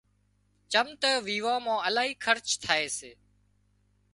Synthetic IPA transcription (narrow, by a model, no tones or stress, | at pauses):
t͡ʃəmt̪əʋiːʋãːmãːəlaːɦiːkʰəɾt͡ʃt̪ʰaːeːseː